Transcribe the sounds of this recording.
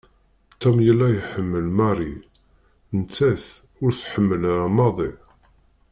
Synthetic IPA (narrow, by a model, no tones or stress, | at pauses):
t̪æmjəlːæjəħəmːəlmæɾˤi | nət͡sːæθ | ʊɾθħəmːəlɾamɑðˤi